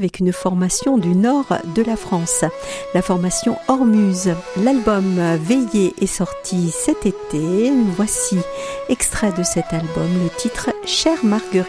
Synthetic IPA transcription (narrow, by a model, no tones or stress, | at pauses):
vɛkynfɔʁmasjɔ̃d̪ynɔʁd̪əlafχɑ̃s | lafɔʁmasjɔ̃ɔʁmyːzlalbɔmvejeʔɛsɔʁt̪ʰisɛt̪et̪evwasiɛkst̪χɛd̪əsɛt̪albɔmlet̪ʰit̪χʃɛʁmaʁɡəʁi